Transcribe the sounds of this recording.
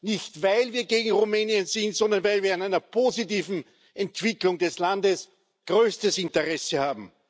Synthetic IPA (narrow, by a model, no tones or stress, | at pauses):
nɪçtvaɪlviːɐɡeːɡŋ̩ʁumɛːniənzɪntz̥ɔndɐnvæɪlviːɐanaɪnɐpʰoːzitiːvn̩ | ʔɛntv̥ɪklʊŋdɛslandəs | ɡ̥ʁøːstəsɪntəʁɛsəhaːbm̩